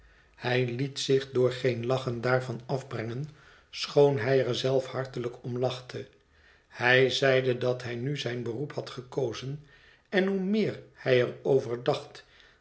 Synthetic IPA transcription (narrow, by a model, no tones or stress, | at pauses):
hɛjlitsɪχdʊːɹχejnlɑχəndaːɹvɑnɑvbrɛŋən | sχownɦɛjəɹzɛlˠfhɑɹtələkɔmlɑχtʰə | hɛjzɛjdədɑtɦɛjnyzɛjnbəruphɑtχəkowzən | ɛnɦumɪːɹhɛjərowvəɹdɑχt